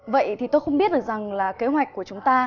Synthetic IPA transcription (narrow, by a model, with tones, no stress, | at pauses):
və̰˧˨jt̪ʰi˨˩t̪o˧jxə˧ŋ͡mɓi˦˥ət̚ɗɨ˨˩k̚za˨˩ŋlaː˨˩ke˨˦ɦwa˨˩jk̚kːu˧˩ət͡ɕʊ˨˦ŋ͡mt̪aː˧